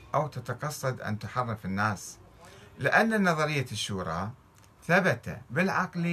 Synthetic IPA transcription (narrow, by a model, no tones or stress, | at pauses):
ʔawt̪at̪ɑqɑsˤːɑd̪ʔa̰nt̪ʊħɑrˤːɪfinːaːs | lɪʔanːanːɑðˤɑɾɪjːaʃːuːɾˤɑ̰ | θabat̪a̰bɪlʕɑql